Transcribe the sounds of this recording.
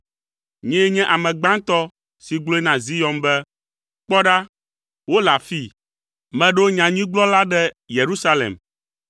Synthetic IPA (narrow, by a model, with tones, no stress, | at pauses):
ɲɛ̃˦ɲɛ̃˦ʔa˨mɛ̃˨ɡ͡bã˦ŋt̪ɔ˦ | si˨ɡ͡blo˦ɛ˦nã˨zi˦jɔ˨mbɛ˦ | k͡pɔ˦ɖa˦ | wo˦la˨fi˦ | mɛ̃˨ɖo˦ɲã˨ɲĩ˦ɡ͡blɔ˦la˦ɖɛ˦ | je˨ɾu˦sa˦lḛ˨m